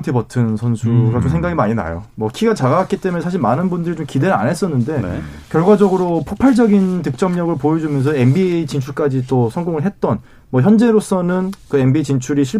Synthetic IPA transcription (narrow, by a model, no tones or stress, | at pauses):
tʰipʌtʰɯnsʰʌnsʰuɡat͡ɕomsʰeŋɡaɡimaɲina̰jo̰mwʌkʰiɡat͡ɕaɡawak͈̚it͈e̞meesʰaɕ̬ʰiɭmanɯnbundɯɾit͡ɕomkide̞ɾɯɭa̰nɦe̞s͈ʌnːɯnde̞̰ | kjʌɭɡwad͡ʑʌɡɯɾopʰopʰaɭd͡ʑʌɡintɯk̚t͡ɕ͈ʌmɲʌɡɯɭpojʌd͡ʑumjʌnsʰʌe̞mbit͡ɕint͡ɕʰuɭk͈ad͡ʑit͈osʰʌŋɡoŋɯɭɦe̞t̚t͈ʌn | mʌçjʌnd͡ʑe̞ɾos͈ʌnɯnkɯe̞mbit͡ɕint͡ɕʰuɾiɕʰi